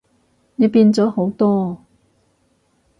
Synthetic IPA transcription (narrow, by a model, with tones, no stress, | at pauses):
ne˨˧˥piː˧nt͡sɔː˨˥ho˨˥wt̪ɔː˥